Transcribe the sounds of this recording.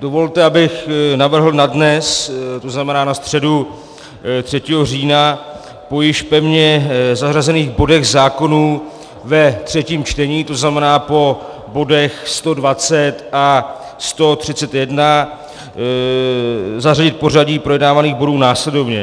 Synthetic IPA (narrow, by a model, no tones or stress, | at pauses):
dovo̞lt̪ɛabɪxnavr̩ɦl̩nadnɛst̪oznamɛnaːnast̪r̝̥ɛdu | t̪r̝̥ɛciːɦo̞r̝iːna | po̞jɪʃpɛvɲɛzarazɛniːɣbo̞dɛɣzaːko̞nuː | vɛt̪r̝̥ɛciːmt͡ʃt̪ɛɲiːt̪oznamɛnaːpo̞ | bo̞dɛxst̪o̞dvat͡sɛt̪ʔa | st̪o̞t̪r̥ɪt͡sɛt̪jɛdna | zaraɟɪt̪̚po̞r̝aɟiːpɾojɛdnaːvaniːɣbo̞duːnaːslɛdo̞vɲɛ̰